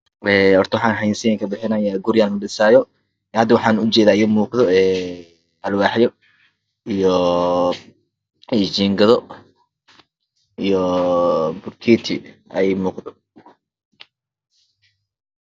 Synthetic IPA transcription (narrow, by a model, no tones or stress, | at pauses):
ɛːɔrt̪ʰɔwħɑaːnɦɐjnsɪjɛŋkʰɐbɪħɪnaːjaɡʊɾɪjaːlnʊɖɪsaːjɔ | hɐd̪ːwɑħɑːnʊt͡ʃɛːðaːɪjɐmuːqðɔɛː | ɐlwɑːħjɔ | ijɔ | ɛd͡ʒiːŋɡɐðɔ | ijɔ | bʊrkʰiːt̪ʰɪɛjmuːqd̪ɔ